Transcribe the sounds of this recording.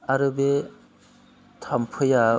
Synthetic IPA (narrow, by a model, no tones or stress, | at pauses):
aɾɯbe | tʰampʰɯja